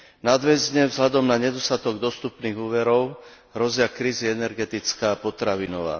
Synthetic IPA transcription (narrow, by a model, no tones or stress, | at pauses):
nad̪ʋɛzɲɛvzɦlad̪ɔmnaɲɛd̪ɔst̪at̪ɔɡd̪ɔst̪upniːɣuːʋɛɾɔʊ | ɦɾɔzɪakɾiːziɛnɛɾɡɛt̪it͡skaːpɔt̪ɾaʋinɔʋa̰ː